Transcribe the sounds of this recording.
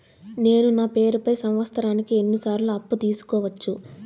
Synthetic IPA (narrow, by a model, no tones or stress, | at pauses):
ne̞ːnunaːpeːɾupɐjsɐmʋɐst̪ɐɾaːnikienːisaːɾluɐpːut̪iːsu̥kɔːʋɐt͡ʃːu